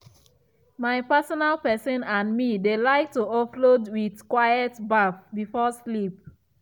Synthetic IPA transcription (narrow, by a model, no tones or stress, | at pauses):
maɪpɛsɔnalpɛsɔ̃nãnmidelaɪk̚tuɔflodwiðkwajɛtbafbifɔslip̚